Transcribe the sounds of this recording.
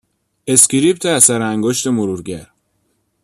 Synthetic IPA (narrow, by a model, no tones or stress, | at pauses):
e̞sciɾipt̪ʰeæsæɾæŋɡoʃt̪e̞moɾuːɾɟæɾ